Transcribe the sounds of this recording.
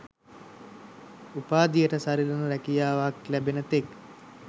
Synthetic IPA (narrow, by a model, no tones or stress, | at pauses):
upaːd̪ijəʈəsaɾilənəɾɛkijaːʋaklæbenət̪ek